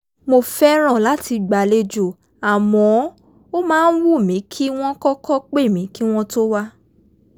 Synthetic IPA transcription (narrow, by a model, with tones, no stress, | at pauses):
mo˧fɛ˦ɾ̃ã˦˨la˨˦ti˧ɡ͡ba˨le˧d͡ʒo˦˨ | a˨mɔ̃˨˦ | o˦mãː˦˧n̩˦wu˦˨mĩ˨˦kʰi˦w̃ɔ̃˦kɔ˦kɔ˦k͡pe˦˨mĩ˨˦ki˦w̃ɔ̃˦to˦wa˦